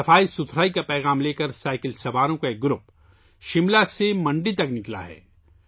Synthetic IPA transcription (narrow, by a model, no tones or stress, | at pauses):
ɐfaːisʊt̪ʰɾaːikapɛːɣaːmleːkɐɾsaːɪkɪlsɐbaːɾõkaeːk̚ɡɾʊp | ʃɪmlasemɐ̃ɳɖit̪ɐknɪkla̰ɦɛ̰ː